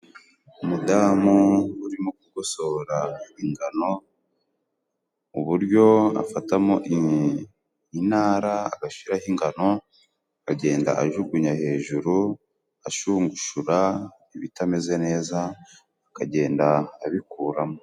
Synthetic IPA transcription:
umudaːmuuɾimokuɡo̞so̞ɾaiŋɡano̞ | uβuɾjo̞a̰fatamoʔ | inaːɾaːɡaʃiɾahiŋɡano̞ | kaɟe̞ːnda̰ʔaʒuɡuɲahe̞ːʒuɾu | aʃuːŋɡuʃuɾa | iβitameze̞ne̞ːzaː | kaɟe̞ːndaːβikuːɾamo

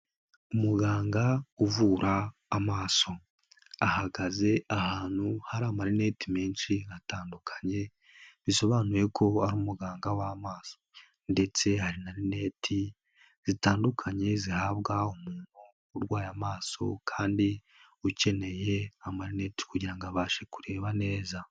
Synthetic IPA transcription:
umuɡaːŋɡauvuːɾʔaːmaːso̞ | ahaɡaze̞ahaːn̥huhaɾaːmaɾine̞timeːnʃiataːndukʰḁɲe̞ | βiso̞βaːnuje̞kʰo̞aɾuːmuɡaːŋɡawamaːso̞ | nde̞t͡se̞haɾinaɾine̞ːtʰi | z̥itaːndukʰaɲe̞zihaβɡaumuːn̥huː | ɾɡwaːjamaːso̞̰kʰaːndi | uce̞ne̞je̞amaɾine̞ti̥kuɟiɾaŋɡaβaːʃe̞kuɾe̞ːβane̞ːza

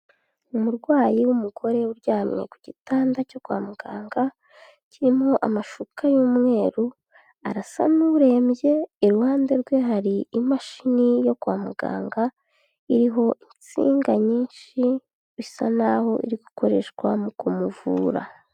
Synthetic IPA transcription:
umuɾɡwaːjiwumuɡo̞ɾe̞uɾɟaːmŋḛkuɟ̥itaːndaco̞kwaːmuɡaːŋɡa | ciɾimo̞ʔa̰maʃukʰajuːmŋe̞ːɾu | aɾasa̰nuɾe̞ːmbje̞ːɾuhaːnde̞ɾɡwe̞ɦaɾiimaʃinijo̞kwaːmuɡa̰ːŋɡa | iɾiɦo̞ʔint͡sḭːŋɡaɲiːnʃi | isa̰naho̞ʔḭɾiɡuko̞ɾe̞̰ʃkwamukumuvṵːɾa̰

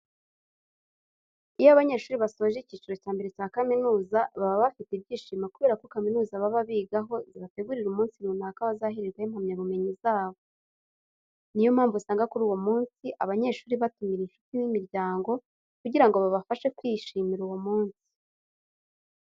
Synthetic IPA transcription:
ijaβaɲe̞ʃuːɾiβaso̞ːʒiciːt͡ʃuɾo̞caːmbe̞ɾecaːkaminuːzaβaβaβafitibɟiːʃiːmakuβe̞ːɾako̞kaminuːzaβaβaβiːɡaɦo̞ziβate̞ɡuɾiɾumuːnsinunakaβazaɦiɾeɾɡwahimhamɲaβume̞ɲizaːβo̞ | nijomhaːɱvusaːŋɡakuɾuːwomuːnsiʔa̰βaɲe̞ʃuːɾiβatumiɾinʃu̥tinimiɾɟaːŋɡo̞ | kuɟiɾaŋɡo̞βaβafaʃe̞kwiːʃimiɾuwomuːnsi̥

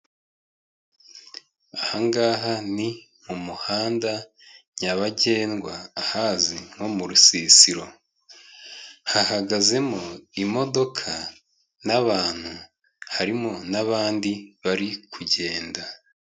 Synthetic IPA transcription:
ahaŋɡaːɦani | mumuhaːnda | ɲaβaɟe̞ːnɡwaːhaːziŋ̥ho̞muɾusisiɾo̞ | hahaɡaze̞mo̞imo̞do̞kʰa | naβaːn̥hu | haɾimo̞naβaːndiβaɾikʰuɟe̞ːnda

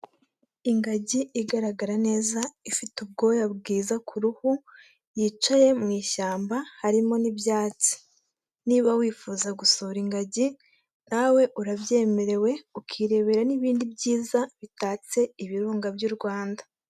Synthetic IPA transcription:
iŋɡaɟiːɡaɾaɡaɾane̞ːzaifitub̚ɡo̞jabɡiːzakʰuɾuhu | jiːt͡ʃaje̞mŋiːʃaːmbahaɾimo̞nibjaːt͡si̥ | niβawiːfuːzaɡusoɾiŋɡaɟi | nawe̞ʔuɾabje̞ːme̞ɾe̞we̞ukʰiːɾe̞βe̞ɾaniβiːndibɟiːzaβitaːt͡se̞iβiɾuːŋɡabjuɾɡwaːndḁ

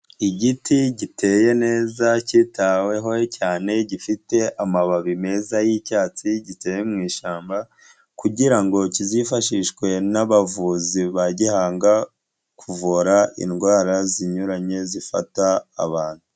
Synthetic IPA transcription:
iɟitʰiɟitʰe̞je̞ne̞ːzacitawe̞ɦo̞caːne̞ɟifite̞ʔamaβaβime̞zajicaːt͡siɟite̞ːjemŋiːʃaːmba | kuɟiɾaŋɡo̞cizifaʃiʃkwe̞naβavuziβaɟihaːŋɡa | kʰuvoɾaḭnɡwaːɾaziɲuɾaɲe̞zifa̰ta̰ːβaːn̥hu

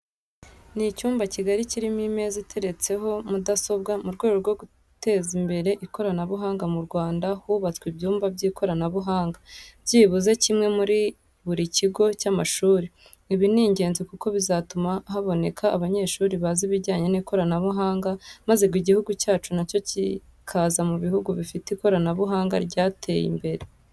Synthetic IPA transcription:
nicuːmbaciɡaɾiciɾimime̞zitʰe̞ɾe̞t͡se̞ɦo̞mudaso̞bɡamuɾɡwe̞ːɡoɾɡo̞ɡu | te̞ːzimbe̞ɾe̞ʔiko̞ɾanaβuɦaːŋɡamuɾɡwaːndahuβat͡skwibɟuːmbabɟiːko̞ɾanaβuɦaːŋɡabɟiːβuzecimŋe̞muɾi | βuɾiciɡo̞camaʃuːɾi | iβiniːɲɟe̞ːnzikuko̞βizatumaɦaβo̞ne̞kʰaːβaɲe̞ːʃuːɾiβaziβiɾɟaːɲe̞niko̞ɾanaβuɦaːŋɡamaze̞ɡwiɟihuɡucaːt͡ʃunaco̞cikʰazamuβihuɡuβifitiko̞ɾanaβuɦaːŋɡa̰ɾɟaːtʰe̞jḭmbe̞ɾe̞

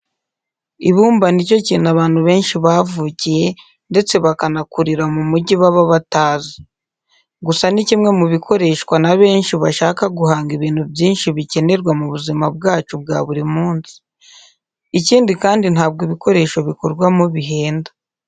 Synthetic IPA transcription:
iβuːmbanico̞ciːnaβaːn̥huβe̞ːnʃiβavuːcije̞ | nde̞t͡se̞βakanakuɾiɾamumuɟiβaβaβataːzi | ɡusanicimŋe̞muβikʰo̞ɾe̞ːʃkwanaβe̞ːnʃiβaʃaːkaɡuhaːŋɡiβiːn̥hubjiːnʃiβice̞ne̞ɾɡwamuβuzimab̚ɡaːt͡ʃub̚ɡa̰ːβuɾimuːnsi̥ | iciːndikaːndinhaːb̚ɡoβiko̞ɾe̞ːʃo̞βikoɾɡwamoβiɦe̞ːnda

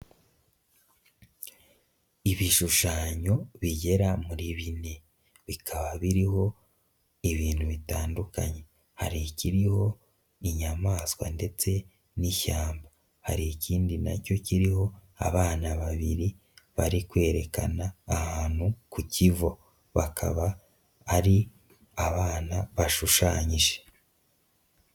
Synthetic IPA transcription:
iβiʃuʃaːɲo̞βiɟe̞ɾamuɾiβine̞ | βikʰaβaβiɾiɦo̞ | iβiːnhuβitaːnduka̰ɲe̞ | haɾiciɾiho̞ | iɲamaːswa̰nde̞t͡se̞ | niçaːmba | ha̰ɾiiciːndina̰co̞ciɾiho̞a̰βaːnaβaβiɾi | βaɾikwe̞ːɾe̞ka̰naːhaːn̥hukucivo̞ | βakʰa̰βaː | ɾi | aβaːnaβaʃuʃaːɲiʒe

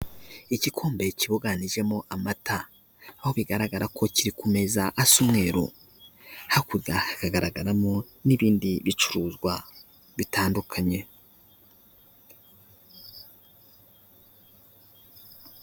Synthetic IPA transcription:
icikʰoːmbe̞ciβoɡaniʒe̞moʔamataː | ho̞βiɡaɾaɡaɾakʰo̞ciɾikume̞zaʔasumŋe̞ɾo̰ | hakuɾɡahakaɡaɾaɡaɾamo | niβiːndiβit͡ʃuɾuːzɡwa | βitaːndukʰaɲe̞

